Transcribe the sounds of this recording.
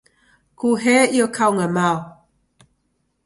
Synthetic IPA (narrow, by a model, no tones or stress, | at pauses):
kuɦeiokʰawŋamaw